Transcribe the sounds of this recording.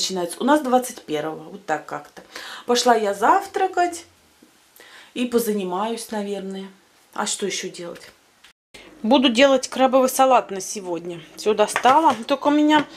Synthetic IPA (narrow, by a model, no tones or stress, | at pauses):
t͡ɕɪnajɪt̪səʊnasd̪vat̪sɨtʲpʲe̞rvəvəvot̪ːakːakt̪əpɐʂlˠajazaft̪ɾəkətʲ | ipəzənʲɪmajʊsʲnɐvʲe̞rnəjə | a̰ʂt̪ojɪɕːodʲe̞lˠə̰tʲ | bud̪ʊdʲe̞lˠətʲkɾabəvɨjsɐlˠat̪nəsʲɪvodʲnʲəfsʲod̪ɐst̪alˠət̪olʲkəʊmʲɪnʲa